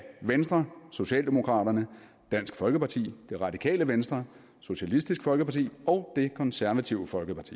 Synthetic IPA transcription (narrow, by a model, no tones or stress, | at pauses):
ʋensd̥ʁɐso̝ɕɛ̰ːld̥e̝mo̝kʰʁɑ̰̈ːɾ̥ɐnə | d̥æn̰sɡ̥fɒ̽lɡ̥əpʰɑ̈t͡sʰḭːd̥e̝ʁɑ̈d̥ikʰɛ̰ːləʋensd̥ʁɐ | so̝ɕælisd̥isɡ̥fɒ̽lɡ̥əpʰɑ̈t͡sʰḭːɒ̽ʊd̥e̝kʰɒ̽nsæɐʋæt͡sʰiʊəfɒ̽lɡ̥əpʰɑ̈t͡sʰḭ